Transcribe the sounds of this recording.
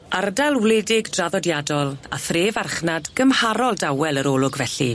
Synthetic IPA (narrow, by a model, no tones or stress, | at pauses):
ardalˠwlɛdɪɡdraðɔdjadɔlˠa̰θreːvarχnadɡ̥əmhaɾɔlˠdawɛlˠəɾɔːlˠʊɡvɛɬi